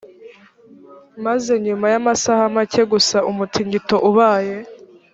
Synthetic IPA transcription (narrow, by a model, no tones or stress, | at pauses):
maze̞ɲumajamasahamace̞ɡusaʔumutʰiɲɡito̞ʔuβaːje̞